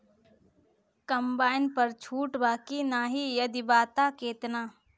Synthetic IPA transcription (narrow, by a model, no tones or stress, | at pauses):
kɐmbaːɪnpəɾt͡ʃʰuːʈbaːkinaːɦijəd̪ibaːt̪akeːt̪naː